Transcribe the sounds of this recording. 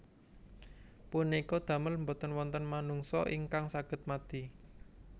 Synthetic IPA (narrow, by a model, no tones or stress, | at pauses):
punikɔd̪̥ä̤məlmbot̪ənwɔnt̪ənmanuŋsɔ̰ʔiŋkaŋsaɡ̥ə̤t̪̚mad̪̥i